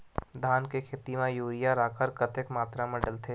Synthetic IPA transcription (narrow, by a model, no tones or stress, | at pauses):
d̪ʱaːnkekʰeːt̪imãjuːɾijaɾaːkəɾkɐt̪ekmaːt̪ɾamɐɖəlt̪ʰeː